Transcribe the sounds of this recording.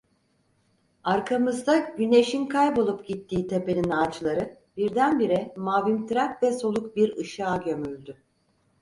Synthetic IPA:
aɾkʰamɯzd̪aɟyne̞ʃinkʰajbo̞lˠupɟit̪ʰːiːt̪ʰe̞pe̞ninaːt͡ʃlˠaɾɯ | b̥iɾd̪ænbiɾɛmaːvimt̪ʰɾat̪vɛso̞lˠuk̚biɾɯʃaːɟø̞mylʲd̪y

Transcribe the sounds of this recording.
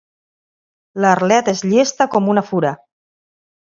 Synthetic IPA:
larlɛt̪ezʎest̪əkɔmunafuɾə

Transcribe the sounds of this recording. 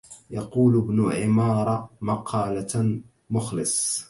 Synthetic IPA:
jɑquːlbnʊʕɪmɑːɾˤɑmɑqʰɑːla | mʊxlɪsˤ

